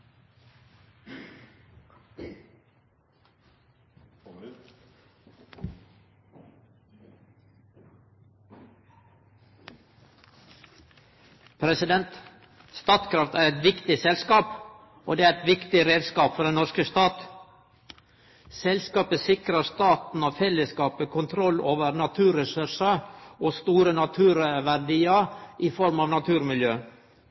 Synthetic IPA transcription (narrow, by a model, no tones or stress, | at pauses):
pʰɾɛsɪd̪ɛnt̪ | st̪ɑːt̪kʰɾɑft̪æːɾɛt̪ʋɪkt̪ɪsɛlskɑːp | ʔo̰ːd̪eːæɾɛt̪ʋɪkt̪ɪɾeːd̪skɑːpfɔɖ̪ɛnnɔʃkəst̪ɑːt̪ | sɛlskɑːpəsɪkɾəst̪ɑːt̪n̩ɑːfɛləskɑːpəkʰʊnt̪ʰɾɔloːʋəɾnɑt̪ʰʉːɾɛsʉɾʂəoːst̪uːɾənɑt̪ʰʉːɾəʋæɾɖiːəʔiːfɔɾmɑːʋnɑt̪ʰʉːɾmɪljøː